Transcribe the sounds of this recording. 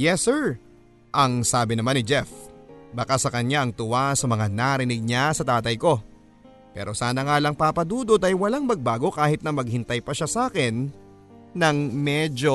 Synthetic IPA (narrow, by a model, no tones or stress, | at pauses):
jɛsːɛɹ | ʔɐŋsaːbɪnɐmanɪd͡ʒɛfbɐkasɐkɐɲaʔɐŋt̪ʊwasɐmɐŋanaɾɪnɪɡ̚ɲasɐt̪aːt̪ɐjko̞ | pɛ̰ːɾʔo̞saːnɐŋaːlɐŋpapɐd̪uːd̪ot̪ɐjwɐlaŋmɐɡ̚baːɡo̞kaːhɪt̪nɐmɐɡ̚hɪnt̪ɐjpɐʃasaːkɪnː | ɐŋmɛd͡ʒo̞